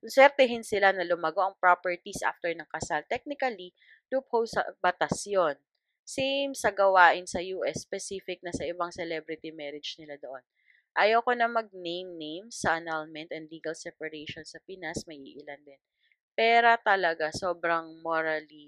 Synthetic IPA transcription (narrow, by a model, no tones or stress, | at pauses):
ʊnsɛɾt̪ɛɦɪnsɪlanɐlʊmɐɡo̞ʔɐŋpɹopɛɹt̪isʔa̰ft̪ɛɹnɐŋkɐsalt̪ɛk̚nɪkɐli | lʊp̚howsɐ̰bɐt̪ɐsjon | sejmsɐɡɐwaːʔɪnsɐjuːʔɛsːpɛsiːfɪk̚nɐsɐʔɪbaŋsɛlɛbɾɪt̪imɛɾɪd͡ʒnɪlad̪oʔon | ʔajɐwko̞nɐmɐɡ̚nejmnejmsɐʔɐnalmɛnt̪ɛnd̪liːɡɐlsɛpɐɾeʃonsɐpɪnasmɐʔiːʔɪland̪ɛn | pɛːɾot̪ɐlɐɡasoːbɾɐŋmoɾɐli